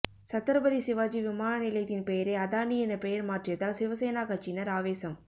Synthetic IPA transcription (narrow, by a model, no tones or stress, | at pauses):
sɐt̪ːɐɾɐbɐðisɪʋaːd͡ʒiʋɪmaːnɐnɪlɐɪt̪ːɪnpejɐɾeɐðaːɳiɛnɐpɛjɐɾmaːʈrɪjɐt̪ːaːlsɪʋɐseːnaːkat͡ʃːɪnɐɾaːʋeːsɐm